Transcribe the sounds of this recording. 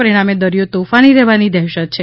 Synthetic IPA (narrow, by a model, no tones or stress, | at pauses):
əɾiɽ̃amed̪əɾijot̪ofaniɾeʋanid̪ɛɦʃək̚t͡ʃʰe